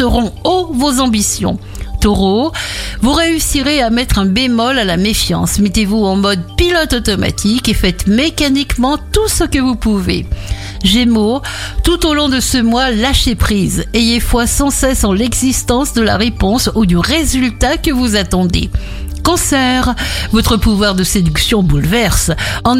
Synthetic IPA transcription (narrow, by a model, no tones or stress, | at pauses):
əʁɔ̃ovozɑ̃bisjɔ̰̃ | t̪ɔʁovuʁeysiʁeamɛt̪χɛ̃bemɔlalamefjɑ̰̃smet̪evuɑ̃mɔd̪pilɔt̪ɔt̪ɔma̰t̪ʰikefɛt̪mekanikmɑ̃t̪usəkəvupuvḛ | ʒemot̪ut̪olɔ̃d̪əsəmwalaʃepχizejefwasɑ̃sɛsɑ̃lɛɡzist̪ɑ̃sd̪əla̰ʁepɔ̃sud̪yʁezylt̪akəvuzat̪ɑ̃d̪ḛ | kɔ̃sɛʁvɔt̪χəpuvwaʁd̪əsed̪yksjɔ̃bulvɛʁsɑ̃